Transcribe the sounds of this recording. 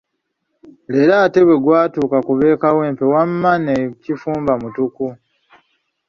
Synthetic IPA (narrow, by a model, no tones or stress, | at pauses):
le̞ɾaːte̞βwe̞ɡwaːtuːkakuβe̞ːkawe̞ːmpe̞wamːanecifuːmbamutuku